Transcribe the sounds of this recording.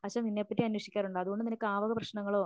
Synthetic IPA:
ɐʂaːmninːepːɐtːiɐnwɐʂikʲːaːɾuɳɖɐðuɣo̞ɳɖɨninɐkːɨaːʋɐɣɐprɐɕnɐŋːɐɭo̞ː

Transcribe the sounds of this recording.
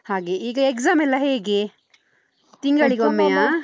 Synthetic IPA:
haːɡeiːɡɐekzaːmɛlːɐɦeːɡe | t̪iŋɡɐɭiɡomːeja

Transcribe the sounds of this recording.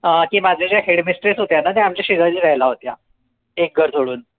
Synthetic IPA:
əkiːmad͡zʱed͡ʑjaɦeɽmisʈɾisɦot̪janat̪jɛ̃amd͡ʑeɕiɡəɭliːɾəɦjlaɦot̪ja | ek̚ɡʱəɾd͡zoɽuːn

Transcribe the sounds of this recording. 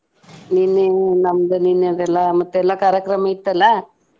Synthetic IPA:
ninːenɐmːd̪ɐnined̪ɛlːamɐt̪ːuɛlːakaːɾjɐkɾɐmɐit̪ːɐlːɐ

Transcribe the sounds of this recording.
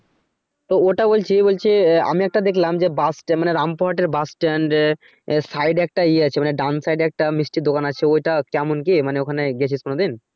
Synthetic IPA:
t̪ooʈabolt͡ɕʰibolt͡ɕʰia̰miɛk̚ʈad̪ekʰlamd͡ʑebasʈmaneɾampoɦaʈeɾbasʈɛɳɖ | sajɖɛk̚ʈaieat͡ɕʰemaneɖansajɖɛk̚ʈamisʈid̪okanat͡ɕʰeojʈakɛmonkimaneokʰaneɡɛt͡ɕʰiskonod̪in

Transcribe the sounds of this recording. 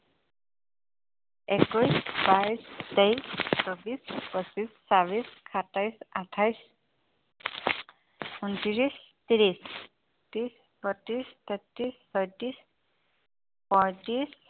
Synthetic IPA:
ɛkɔjsbaistejssɔbispɔsisːabiskʰatʰajsatʰajs | untiɹis | tiɹis | tis | pɔtist̪ʰətːisːɔjtis | pɔjtis

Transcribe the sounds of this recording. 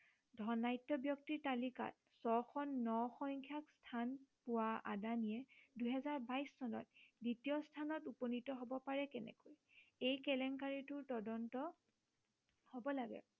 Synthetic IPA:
dʱɔnajtːɔbjɔk̚tiɹtalika̰t̚ | sɔxɔnːɔxɔŋkʰjakstʰanpʊwaa̰danijɛduɦɛzaɹbajsːɔnɔ̰t̚ditijɔstʰanɔtupɔnitɔɦobɔpaɹɛkɛnɛ̰koj | ejkɛlɛŋkaɹitʊɹtɔdɔntɔ | hobɔlaɡɛ̰

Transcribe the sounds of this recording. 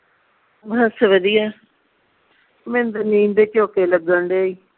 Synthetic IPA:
bəsʋəd̪ijaː | mɛ̃ːnd̪əniːnd̪eːt͡ʃoːkeːləɡ̚d̪əɳɖeːiː

